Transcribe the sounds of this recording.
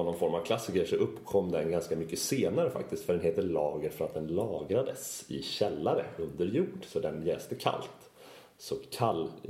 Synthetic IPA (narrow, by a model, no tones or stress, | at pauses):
ɔnːɔnfɔɾmavkʰlasːɪkəʂɔʔɵpːkʰɔmːd̪ɛnɡanskamʏkːəseːnaɾəfa̰k̚t̪ɪst̪fœɖɛnɦeːt̪ːəɭɑːɡəɾfœɾat̪̚d̪ɛnlɑːɡɾad̪əsɪ̰ɕɛlːaɾə̰ɵnd̪əɾjuːɖsɔd̪ɛnjɛːst̪əkʰa̰lt̪ | sɔkʰalː